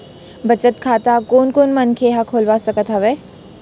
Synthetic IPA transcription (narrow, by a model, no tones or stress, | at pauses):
bʱɐt͡ʃət̪kʰaːt̪akoːnkoːnmənkʰeɦakʰoːlʋasɐkət̪ɦɐʋeː